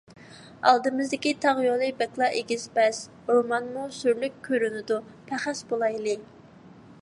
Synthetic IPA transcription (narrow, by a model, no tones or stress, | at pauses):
ɑlˠd̪ɨmɪzd̪ɪkʲit̪ʰɑʁjolˠɨbɛklˠɑʔeɡʲisbɛs | omɑnmusyɾlykʲʰːøɾynɪd̪u | pʰæχæsbolˠɑjlˠɨ